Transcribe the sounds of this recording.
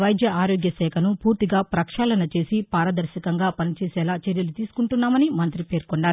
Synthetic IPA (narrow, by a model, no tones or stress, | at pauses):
ʋɐjd͡ʒ̪jɐaːɾoːɡjɐsɛːkʰɐnupuːɾt̪iɡaːpɾɐkʂaːlɐnɐt͡ʃe̞ːsipaːɾɐd̪ɐɾʃikɐŋɡaːpɐnit͡ʃɛːsɛːlaːt͡ʃeɾjɐlut̪iːsu̥kuɳʈunːaːmɐnimɐnt̪ɾipe̞ːɾkɔɳɖaːɾu